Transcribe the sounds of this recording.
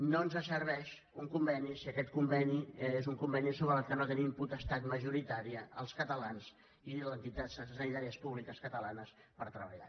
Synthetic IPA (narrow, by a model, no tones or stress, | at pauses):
noənzəsərβɛʃ | uŋkumbɛnisiəkɛt̪kumbɛniezuŋkumbɛnisoβɾəːlˠkənot̪ənimput̪əst̪at̪məʒuɾit̪aɾiəəlˠskət̪əlanz | ilənt̪it̪assənit̪aɾiəspuβlikəskət̪əlanəs | pəɾt̪ɾəβə̰ʎa̰